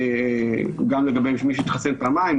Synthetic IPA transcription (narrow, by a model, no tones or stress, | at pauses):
e | ɡamleɡabejʃmiʃ̬et̪χasenpaːmaim